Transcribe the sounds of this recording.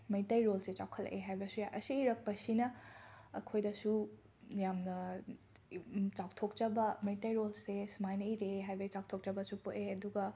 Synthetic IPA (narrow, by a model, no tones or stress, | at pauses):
mɐjtɐjɾolset͡ʃawkʰɐl̰ʔeɦajbɐsujaʔɐsiɾɐk̚pɐsinɐː | kʰojdɐsu | jamnɐ | t͡ʃawtʰok̚t͡ʃɐbɐmɐjtɐjɾolsesumajnɐiɾeɦajbɐsit͡ʃaw̚tʰok̚t͡ʃɐbɐsupuʔeɐduɡɐ